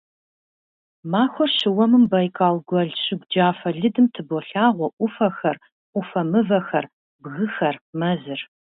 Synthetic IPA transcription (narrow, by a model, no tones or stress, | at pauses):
maːxʷɔrɕɪwɐmɨmbɐjkʼaːlɡʷɐɮɕɪɡʷd͡ʒaːfɐɮɨdɨmtʰɨboɬaːʁʷɔʔʷʊfɐxɐr | ʔʷʊfɐmɨvɐxɐ̰r | bɣɨxɐrmɐzɨr